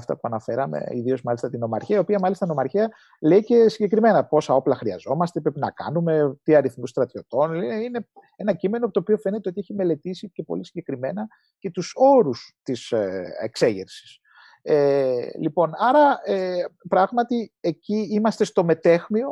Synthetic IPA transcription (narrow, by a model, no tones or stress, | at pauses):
ft̪ɐ̰puɐnɐfe̞ɾɐmḛḭðio̞zmɐlisɐt̪ino̞mɐ̰ɾçiɐio̞piɐmɐlist̪ɐino̞mɐɾçiɐ | le̞ice̞siɲɟe̞kɾime̞nɐpo̞sɐo̞plɐxɾiɐ̰zo̞mɐst̪e̞pɾepinɐkɐ̰nume̞t̪iɐɾiθmust̪ɾɐt̪io̞t̪o̞nlineine̞ | e̞nɐcime̞nopot̪opio̞fe̞ne̞t̪eot̪ieçime̞le̞t̪isice̞po̞̰lisiɲɟe̞kɾime̞nɐ | ce̞t̪uso̞ɾust̪isḛkse̞ʝeɾsi̥s | elipo̞nɐɾɐepɾɐɣmɐt̪ie̞ciimɐst̪e̞st̪o̞me̞t̪e̞xmio̞